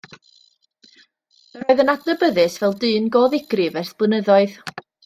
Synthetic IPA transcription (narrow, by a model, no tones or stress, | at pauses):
əɾoɨðənadnəbəðɨsvɛlˠdɨːnɡoːðɪɡ̥rɨvɛrθb̥ʊnəðɔɨð